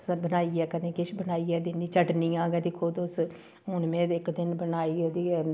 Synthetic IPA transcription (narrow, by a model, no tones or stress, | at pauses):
bənaːiːɛːkəd̪ẽːkɪʃbənaːiːɛːd̪ɪnːiːt͡ʃəʈniːãːɡɛːd̪ikʰod̪ʊs | ɦʊnmẽːɪkd̪ɪnbənaːiːd̪i